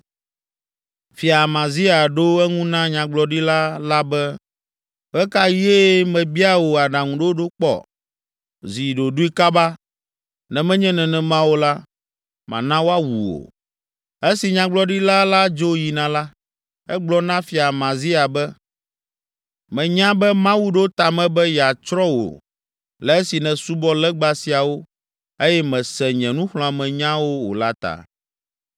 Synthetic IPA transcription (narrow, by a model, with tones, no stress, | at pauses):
fi˨a˨mã˨zi˦a˨ɖo˦ɛ˦ŋũ˦nã˦ɲã˨ɡ͡blɔ˨ɖi˦la˦la˦bɛ˦ | ɸɛ˦ka˦je˦mɛ̃˨bi˦a˦wo˨a˨ɖã˨ŋũ˨ɖo˦o˦ɖo˦k͡pɔ̰˦˨ | zi˨ɖo˨ɖu˦i˦ka˦ba˦ | nɛ̃˨mɛ̃˦ɲɛ̃˦nɛ̃˨nɛ̃˨mã˦wo˨la˦ | mã̰˨nã˦wo˦a˦wu˨wo̰˨ | e˦si˨ɲã˦ɡ͡blɔ˦ɖi˦la˦la˦d͡ʒo˦ji˨nã˨la˦ | ɛ˦ɡ͡blɔ˦nã˦fi˨a˨mã˨zi˦a˨bɛ˦ | mɛ̃˨ɲã˦bɛ˦mã˦wu˦ɖo˦t̪a˨mɛ̃˨bɛ˦jɛ˨a˨t͡ʃɾɔ˦wo̰˨ | lɛ˨e˦si˨nɛ̃˨su˦bɔ˦lɛ˦ɡ͡ba˦si˨a˨wo˦ | e˦jɛ˦mɛ̃˨sɛ˨ɲɛ̃˨nũ˦ɸl̃ɔ̃˦a˨mɛ̃˨ɲã˦wo˦wo̰˨la˦t̪a̰˨